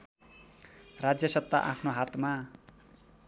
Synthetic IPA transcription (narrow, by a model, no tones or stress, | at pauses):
rad͡zjʌsʌt̪ːaʔa̰pʰnoɦat̪ma